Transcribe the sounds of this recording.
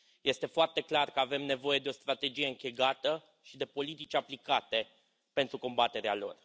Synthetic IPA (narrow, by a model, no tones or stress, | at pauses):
je̞st̪e̞foart̪e̞klarkəave̞mne̞vo̞je̞d̪eo̞st̪ɾat̪e̞d͡ʒije̞ɨŋkʲeɡat̪ə | ʃid̪e̞po̞lit̪it͡ʃʲaplikat̪e̞ | pe̞nt̪ɾuko̞mbat̪e̞ɾealo̞̰r